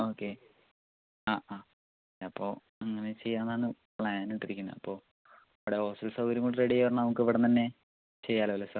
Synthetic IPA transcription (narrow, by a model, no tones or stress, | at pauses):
oːkːe̞ | aːaː | eɐpːo̞ː | ɐŋːɐnet͡ɕe̞jːaːnːanːɨplajaːniʈːiɾikʲːunːɐ̰ɐpːo̞ː | ɐʋiɽeoːsɐlsɐwɡɐɾiŋkoɳɖɨreɽijɐʋɐrnnɐmukːɨʋiɽɐnt̪ɐnːe̞ | t͡ɕe̞jːaːlɐʋɐlːesɐ